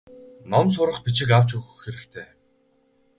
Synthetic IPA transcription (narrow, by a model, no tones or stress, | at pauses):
nɔms̬ʊɾə̆χpit͡ɕɪ̆kawt͡ɕɵxɵ̆xːeɾɘ̆kt̪ʰeː